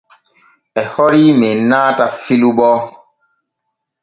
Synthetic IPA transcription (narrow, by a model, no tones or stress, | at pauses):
ɛhɔɾimenaːtafiluɓɔ